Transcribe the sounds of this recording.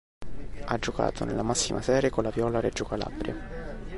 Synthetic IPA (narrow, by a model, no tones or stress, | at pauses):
ad͡ʒːoka̰ːt̪ʰonelːamasːimʔasɛːɾjekolːavjɔːlaɾɛd͡ʒːokala̰bɾja